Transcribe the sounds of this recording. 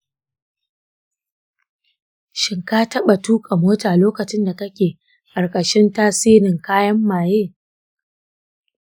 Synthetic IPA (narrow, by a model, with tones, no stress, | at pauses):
ʃɪ˨ŋkaː˦tɐ˦ɓa˨tuː˦kʼa˨moː˦taː˨loː˦kɐ˨t͡ʃɪ˦nda˨tɐ˦kʲeː˨ | kʼɐ˨rkʼɐ˨ʃɪ˦ntaː˦siː˦ɾɪ˨ŋkaː˦jɐ˦mːaː˨jeː˦˨